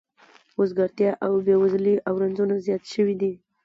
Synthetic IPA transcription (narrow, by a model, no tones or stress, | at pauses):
osɡaɾt̪jɑʔawbewazliʔawɾanzunazjɑt̪ʃəwid̪i